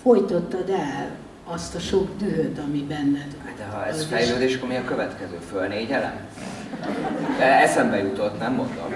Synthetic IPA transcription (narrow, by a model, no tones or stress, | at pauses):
fo̞jt̪ot̪ːɒd̪ɛl | ɒst̪ɒʃo̞ɡd̪yɦøt̪ɒmibɛnːɛd̪ad̪ɛɦɒɛzfɛjløːd̪eːʃkoɾmiɒkø̞vɛt̪kɛzøːfølneːɟɛlɛ̰m | d̪ɛɛsɛmbɛjut̪o̞t̪ːnɛmːond̪o̰m